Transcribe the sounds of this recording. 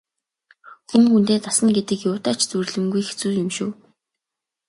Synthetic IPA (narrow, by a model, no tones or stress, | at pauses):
xuŋxunt̪eːt̪asə̆nɡet̪ɘ̆kjʊːt̪aːt͡ɕt͡surɮɘ̆ŋɡujxet͡suːjɵmʃuː